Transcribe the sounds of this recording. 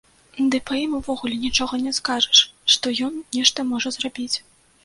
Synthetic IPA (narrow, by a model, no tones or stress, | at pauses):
d̪ɨpɐjimuvɔɣulʲɛnʲit͡ʂɔɣɐnʲɛskaʐɐʂʂt̪ɔjɔnnʲɛʂt̪ɐmɔʐɐzrabʲit͡sʲ